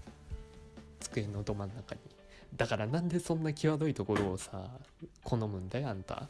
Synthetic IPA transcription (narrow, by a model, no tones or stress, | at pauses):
t͡sɨ̥kɯ̟enːod̪o̞manːakaɲ̟i | d̪akaɾanãnd̪e̞sõ̞nːakʲiβad̪o̞it̪o̞ko̞ɾo̞ːsakʰo̞no̞mɯ̟̃nd̪ajoãnt̪a̰